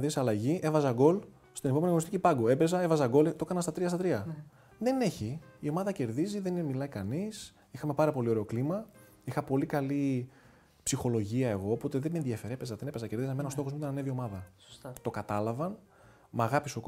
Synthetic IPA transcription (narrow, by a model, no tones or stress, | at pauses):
ðiseɐlɐʝiʔe̞vɐzɐɡo̞l | st̪ineoeniɣoost̪icipɐɡoe̞be̞zɐevɐzɐɡo̞lt̪o̞kɐnɐnst̪ɐt̪ɾiɐst̪ɐt̪ɾiɐ | ðe̞ne̞çiio̞mɐðɐce̞ɾðiziðenmilɐikɐnis | ixɐme̞pɐɾɐpo̞lio̞ɾe̞o̞klimɐ | ixɐpo̞likɐli | psixo̞lo̞ʝiɐe̞ɣo̞ːpo̞t̪eðemenðiɐfe̞ɾepezɐðenepezɐceɾðizɐmenɐost̪o̞xomiut̪ɐnɐnevio̞mɐðɐ | t̪o̞kɐt̪ɐlɐvɐn | mɐɣɐpisok